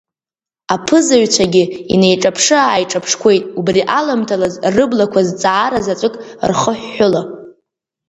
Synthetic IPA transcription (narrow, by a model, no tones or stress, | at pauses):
apʰɨzaɥt͡ɕʷʰaɡʲɪḭne̞jʈ͡ʂʼapʰʂɨaːjʈ͡ʂʼapʰʂkʷʰe̞jtʼubriʔalamtʰalazrɨblakʷʰazt͡sʼaːɾazat͡sʷʼɨkʼrχəħːʊla